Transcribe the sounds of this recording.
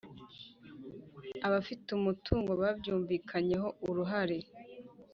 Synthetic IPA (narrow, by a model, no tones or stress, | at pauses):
aβafiteumutʰuːŋɡo̞βaːbjuːɱviːkʰaɲe̞ɦo̞uɾuɦaɾe̞